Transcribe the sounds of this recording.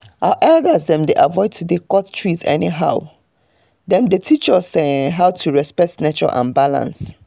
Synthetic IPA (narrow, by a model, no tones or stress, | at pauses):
haʊʔɛldəzdɛ̃mdeʔavɔɪd̚tʰudekɔttʰɹizɛ̰niɦaʊ | dɛ̃mdetʰit͡ʃəsɛ̃ɦaʊtʰuɹɛspɛk̚tnet͡ʃɔ̰ʔã̰nbalã̰ns